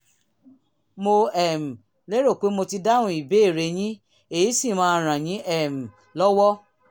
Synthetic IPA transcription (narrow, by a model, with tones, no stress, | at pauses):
mo˧ɛ˨m̩˨ | le˦ɾo˦˨k͡pe˨˦mo˧ti˧da˦wũ˧˦i˦˨be˨˦e˦˨ɾe˨˧j̃ĩ˦ | e˨i˨˦si˦˨mãː˦˧ɾ̃ã˨j̃ĩ˨˦ɛ˦˨m̩˨ | lɔ˦wɔ˦